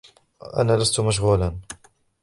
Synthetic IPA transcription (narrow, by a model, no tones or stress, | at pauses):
ʔa̰naːlast̪ʊmaʃ̬ɣuːlan